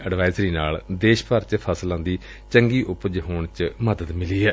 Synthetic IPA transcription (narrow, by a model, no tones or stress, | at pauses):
əɖʋaːɪzɾiːnaːld̪eːʃpəɾt͡ʃpʰəslãːnd̪iː | t͡ʃəŋɡiːʔʊpd͡ʒɦoːɳt͡ʃməd̪əd̪mɪliːɛː